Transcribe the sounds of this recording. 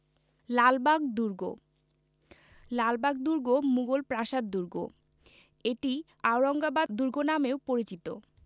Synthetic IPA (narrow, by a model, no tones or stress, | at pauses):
lalbaɡd̪uɾɡo̰ | lalbaɡ̚d̪uɾɡomuɡolpɾaʃad̪ːuɾɡo̰ | eʈi | awɾɔŋɡabad̪uɾɡonamewpoɾit͡ɕit̪o̰